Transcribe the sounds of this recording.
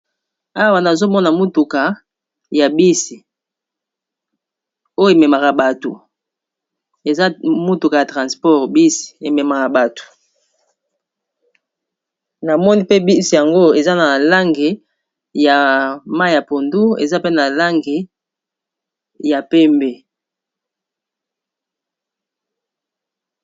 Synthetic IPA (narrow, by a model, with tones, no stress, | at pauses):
a˦wa˨na˨zo˦mɔ˦na˨mu˦tu˨ka˨ | ja˨bi˦si˨ | o˦jo˦e˨me˨ma˨ka˨ba˨to˨ | e˨za˦mu˦tu˨ka˨ja˨tʁã˨spɔ˦ʁbi˦si̥˨e˨me˨ma˨ka˨ba˨to̥˨ | na˨mɔ˦ni˦pe˦bi˦sja˨ŋɡo˦e˨za˦na˨la˦ŋɡe˨ | ja˨ma˦˨ja˨po˨ndu˦ḛ˨za˦pe˦na˨la˦ŋɡe˨ | ja˨pɛ˦mbe˨